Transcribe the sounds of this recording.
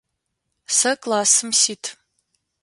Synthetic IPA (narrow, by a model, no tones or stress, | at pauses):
sɐkʼlaːsɨmsiːtʰ